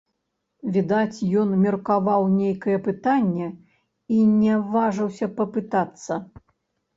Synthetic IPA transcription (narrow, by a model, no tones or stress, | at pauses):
vʲid̪at͡sʲjɔnmʲɐrkavawnʲejkɐjɛpɨt̪anʲːɛ | inʲɛvaʐɐwsʲɐpɐpɨt̪at̪sːɐ